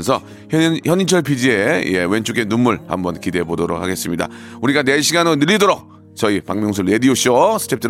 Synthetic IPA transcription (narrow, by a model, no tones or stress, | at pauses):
nsʰʌ | çjʌɲint͡ɕʰʌɭpʰid͡ʑie̞̰je̞̰we̞nt͡ɕʰuɡe̞numːuɭha̰mbʌnkide̞bodoɾok̚ʰaɡe̞s͈ɯmɲida̰uɾiɡane̞ɕʰiɡanonɯʎːidoɾok̚ | t͡ɕʌipaŋmjoŋs̬ʰɯɭe̞dioɕ͈ʰiosʰɯ̥t͡ɕʰep̚t͈ɯ